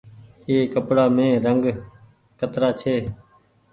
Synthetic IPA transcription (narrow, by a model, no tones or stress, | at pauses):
eːkəpɽaːmẽːɾəŋɡ | kət̪ɾaːt͡ʃʰeː